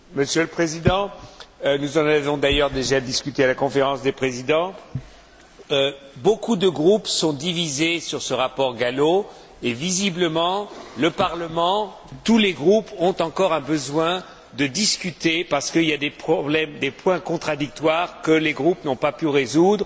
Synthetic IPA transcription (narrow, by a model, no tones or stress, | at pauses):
məsjøləpχezid̪ɑ̃ | nuzɑ̃navɔ̃d̪ajœʁd̪eʒad̪iskʲyt̪ealakɔ̃feʁɑ̃sd̪epχezid̪ɑ̃ | bokud̪əɡʁupsɔ̃d̪ivizesyʁsəʁapɔʁɡalo | evizibləmɑ̃ləpaʁləmɑ̃ | t̪uleɡʁupɔ̃t̪ɑ̃kɔʁɛ̃bəzwɛ̃ | d̪əd̪iskʲyt̪epaʁsə̥kəiljad̪epχɔblɛmd̪epwɛ̃kɔ̃t̪χad̪ik̚t̪waʁkəleɡʁupnɔ̃papyʁezud̪ʁ